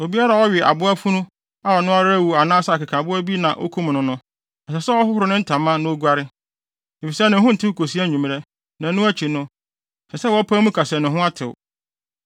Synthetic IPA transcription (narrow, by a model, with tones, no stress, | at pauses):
o˨bi˦a˦ɾa˨wɔ˦ɥɪ˨ʔa̰˨bʊ˦a˦fu˦nʊ̃˦ | a˦ɔ˨nʊ̃˦a˦ɾæ˦wu˨a˨nãː˦sa˨kɪ˨kʰa˨bʊ˦æ˦bi˦nã˨ʔo̰˦kʰu˦m˨nʊ̃˦nʊ̃˦ | ɛ˨sɛ˨sɛ˦wɔ˦ɦʊ˦hʊ˨ɾʊ˦nɪ̃˦n̩˦tʰã˨mã˦nʊ̃˦o˦ɡʷa˦ɾɪ˦ | e˨fi˨sɛ˦˨nɪ̃˨ɦʊ̃˦n̩˨tʰɪ˦kʰo˨si˦æ˦ɲũ˨m˦ɾɛ˦ | nã˨˦nʊ̃˦æ˦t͡ɕʰi˨nʊ̃˦˨ | sɛ˨sɛ˦wɔ˦pʰãː˦mũ˦kʰa˨sɛ˨nʊ̃˨ɦʊ̃˦a˦tʰɪ̰˨wʊ̰˨